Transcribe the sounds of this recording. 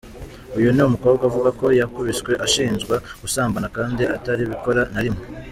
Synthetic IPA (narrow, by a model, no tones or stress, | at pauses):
ujuniumuko̞ːβɡaavuɡako̞jakuβisɡwe̞ʔaʃiːnzɡwaɡ̥usaːmbanakaːndiʔataɾiβiko̞ɾanaɾimŋe